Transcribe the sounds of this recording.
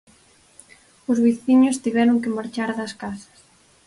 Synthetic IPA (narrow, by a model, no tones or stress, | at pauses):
ʊzβiθiɲost̪iβɛɾoŋkɪmaɾt͡ʃaɾðɐskasɐ̥s